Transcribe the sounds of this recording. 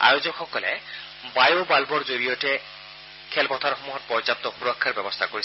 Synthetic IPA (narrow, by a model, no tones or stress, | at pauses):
a̰jozɔkxɔkɔlɛ̰ | bajobalbɔɹzoɹijɔtɛ | kʰɛlpɔt̪ʰaɹxɔmuɦɔt̚pɔɹzap̚t̪ɔxuɹɔkʰːaɹbɛbɔst̪ʰakoɹis